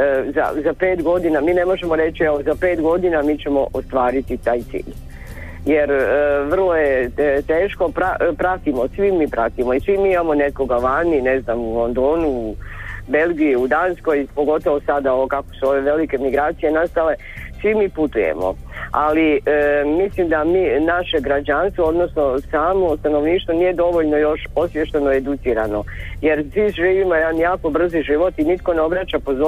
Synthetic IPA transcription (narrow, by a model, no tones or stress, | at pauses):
za̰zape̞ːt̪ɡo̞d̪inamiːne̞mo̞ʒemo̞ɾe̞t͡ʃieʋozape̞ːt̪ɡo̞d̪inamiːt͡ɕe̞mo̞ʔost̪ʋaːɾit̪it̪aːjt̪sḭːʎ | je̞ɾəʋr̩lˠo̞jet̪eːʃko̞pɾapɾat̪imo̞sʋimiːpɾat̪imo̞isʋimiːimamo̞ne̞ko̞ɡaʋaːnine̞znamulˠo̞nd̪oːnu | be̞lɡiiud̪aːnsko̞jpo̞ɡo̞t̪o̞ʋosad̪aookako̞̥suo̞ʋe̞ʋe̞like̞miɡɾaːt̪sije̞nast̪ale̞ | sʋimiːput̪ujḛmo̞̰ | alimislimd̪amiːnaʃe̞ɡɾad͡ʒanst̪ʋood̪no̞sno̞saːmo̞st̪anoʋniːʃt̪ʋo̞niːje̞d̪o̞ʋo̞ʎno̞jo̞ʃosʋjeʃt̪enoed̪ut̪siːɾano̞je̞ɾsʋiʒiːʋimojed̪anjaːko̞br̩ziʒiʋo̞t̪init̪ko̞neo̞bɾat͡ɕapo̞zo